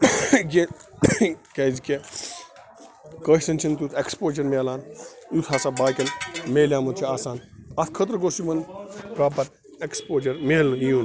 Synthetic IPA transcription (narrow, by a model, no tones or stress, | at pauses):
ɡe | keːzikʲe | kəʃsɐnt͡ʃʰint̪ut̪ʰekspoːd͡ʒɐɾmeːlaːnjut̪ʰhaːsabaːkɐlmeːlʲjaːmɐt͡ʃʰiaːsaːnaskʰɐt̪̬ɾɡoːsimɐnkaːpɐt̪ | ekspoːd͡ʒɐɾmeːlɨniuːn